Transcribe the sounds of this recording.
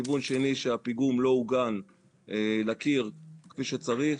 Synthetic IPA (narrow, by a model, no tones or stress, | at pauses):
ivunʃeniʃeapiɡumlo̞uɡan | elakiʁkfiʃet͡saʁi